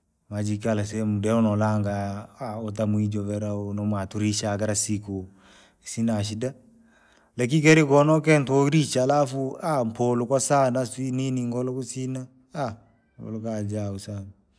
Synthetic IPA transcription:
mad͡ʒikalas̬ɛmudɛɔnɔlaŋɡaaɔt̬amuid͡ʒɔvɛɾaonɔmatuɾiʃakaɾasiko | isinaʃ̬ida | lak̬ik̬ɛɾikɔnɔk̬ɛntɔɾit͡ʃalafuampʰɔlɔkwasanasininiŋɡɔlɔkusina | a | ɡɔ̰lɔkad͡ʒausana

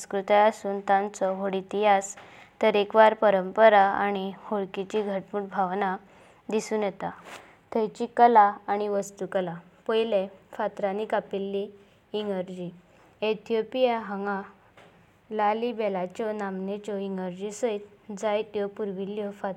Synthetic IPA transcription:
skɾut̪aasuːnt̪ãnt͡sɔɦoɽit̪iɦast̪əɾekʋaɾpəɾəmpəɾaaɽ̃ihoɭkit͡ɕiɡʱəʈmuːʈbʱaʋna | d̪isuːnjɛt̪a | t̪ʰəjt͡ɕikəlaːɽ̃iʋəst̪ukəlapɔjlefat̪ɾanikapilːiː | ŋɡəɾd͡ʑi | et̪ʰijopijaɦəŋɡã | lalibɛlat͡ɕɔnamnet͡ɕɔiŋɡəɾd͡ʑisəjt̪d͡zajt̪jɔpuɾʋiljɔfat̪

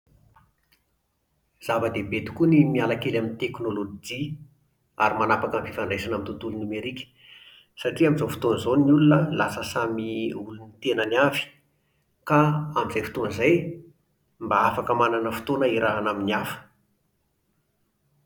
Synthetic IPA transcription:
z̥avəd̪ebet̪u̥kunimialakelamint̪eknolod͡ʒi | a̰ɾimanapakamfifaɳɖ͡ʐesanamint̪ut̪ulunumeɾikʲə̥ | saʈ͡ʂiaminzofu̥t̪onzonnulunəlasəsamiulunit̪enəniavi̥ | kaamizajfit̪onzaj | mbaafakəmananəfu̥t̪onəiɾʔaɦanaminiafə̥

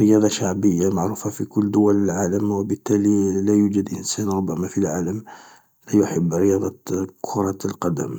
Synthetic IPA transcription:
ɾəjɑd̪ˤɑʃaʕbəjːamaʕɾufafikʊlːd̪ʊwæləlʕaləmwbət̪ːælilæjud͡ʒəd̪ʔənsænɾˤʊbːəmafilʕaləm | læjʊħəbːɾəjɑd̪ˤɑkʰʊɾˤɑt̪lqɑd̪ə̰m

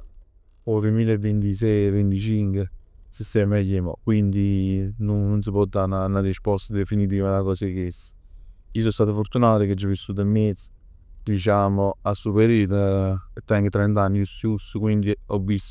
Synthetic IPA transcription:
ɔt̪emiːlevːent̪is̬ɛjvːent̪it͡ʃiŋkwesesːɛmɛjemɔ̰kwind̪inuːuns̬əpɔd̪ːananaɾispɔst̪ad̪efinit̪̬iːvalakɔːsekesə̥ | iːs̬ɔst̪aːt̪afoɾt̪unaːt̪əked͡ʒːɔvːisːuːt̪̬amːed̪sə̥ | d̪it͡ʃaːmoasːupeɾit̪ət̪ːɛŋɡət̪ɾɛnt̪anːiusjusːukwind̪iɔbːis

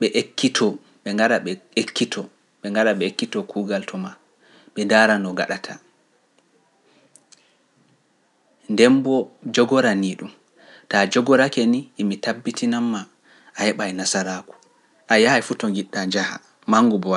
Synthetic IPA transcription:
ɓɛʔekːitʰɔ | ɓɛŋɡaɾaɓɛekːitʰɔ | ɓɛŋɡaɗaɓɛekːitɔkʰuːɡaltʰɔma | ɓɛndaɾanɔɡa̰ɗatʰa | ndɛmbɔd͡ʒɔɡɔɾaniɗum | tad͡ʒɔɡɔɾakeniːmitabːitinamːaː | hɛɓajnasaɾaku̥ | ʔajahajfutɔŋɡiɗːad͡ʒaha̰ | maŋɡubɔwa

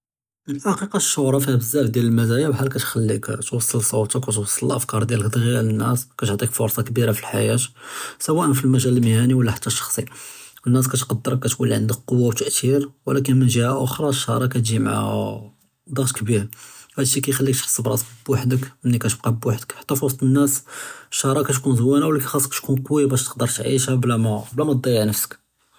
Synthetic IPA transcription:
məlħɑqiqɑʃːʊhɾˤɑfihæbəzːæʔfd̪jæləlmæzæjawħalːkæt̪xælːikt̪wɑsˤːəlsˤɑwt̪əkwæt̪wɑsˤːələlʔəfkɑɾˤd̪jæləkd̪ˤɣijælənːæskæt̪oʕt̪ˤikfoɾˤsˤɑkbiɾafilħajæt̪sæwæʔənfilmæʒæləlməhæniwəlːæħḁt̪ʰːæʃːɑ̥xsˤiwənːæs̬kæt̪qɑd̪ːəɾəkːæt̪kunlːiʕənd̪ək̚qowːawt̪əʔt̪ʰiɾwəlæk̬ənmənʒəhaʔʊxɾˤɑʃːɑɾˤɑkæt̪ʒimʕa̰ | d̪ˤɑɣt̪kbiɾhæd̪ʃːikæjxælːikt̪ħə̥sːˤəbɾˤɑsbwaħd̪əkʔənːikæt̪əb̚qɑbwaħd̪əkħḁt̪ːæfosˤt̪ˤənːæsʃːɑɾˤɑkæt̪kunzəwænawlːækæxɑsˤːkæt̪kunqwjabæʃt̪ə̥q̚d̪əɾˤt̪ʕḭʃhæblæmæblæmæd̪ˤːɑjəʕnəfsə̥k

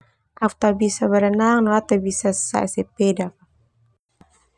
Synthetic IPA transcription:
ʔaft̪abisabəɾanaŋnɔat̪abisasa̰ʔsɛpɛdaka

